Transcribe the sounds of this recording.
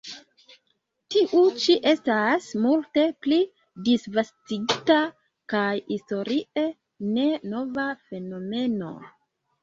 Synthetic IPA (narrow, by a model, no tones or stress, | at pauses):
tiʔut͡ʃiʔe̞stasmulte̞pli | disvastiɡita | kajisto̞ɾiʔe̞ | ne̞no̞vafe̞no̞me̞no̞̰